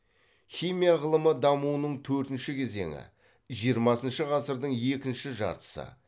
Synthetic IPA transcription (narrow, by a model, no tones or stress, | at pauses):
χʲijmijaʁəlˠəməd̪ɑmuwənəɴt̪ʰɵɾt̪ɪnʃɪkʲʰe̞ze̞̰ŋɪ̰ | ʒijəɾmɑsənʃəʁɑsəɾd̪əɴe̞kʲɪnʃɪʒɑ̰ɾt̪ə̥sə̰